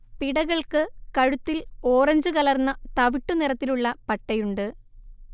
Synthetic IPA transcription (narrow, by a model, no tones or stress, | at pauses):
piɽɐɣɐɭkɨkɐɻut̪ːilo̞ːrɐɲd͡ʑɨkɐlɐrnːɐt̪ɐʋiʈːunirɐt̪ːiluɭːɐpɐʈːɐjuɳɖɨ